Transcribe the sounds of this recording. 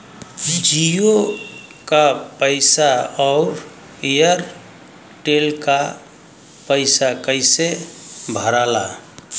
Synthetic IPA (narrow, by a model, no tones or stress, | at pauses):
d͡ʒijo | kapəɪsaɔʊɾ | ejəɾ | ʈelka | pəɪsakəɪsebʱəɾala